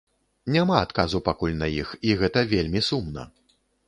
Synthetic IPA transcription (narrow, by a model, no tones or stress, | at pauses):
nʲamaːt̪kazupakulʲnɐjixiɣɛt̪ɐvʲelʲmʲisumnɐ̰